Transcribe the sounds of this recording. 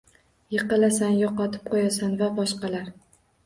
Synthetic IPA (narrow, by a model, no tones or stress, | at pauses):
jeqɨlasanjɒqɒt̪ʰɪ̥p̚qʰojasanvabɒʃqɑlaɾ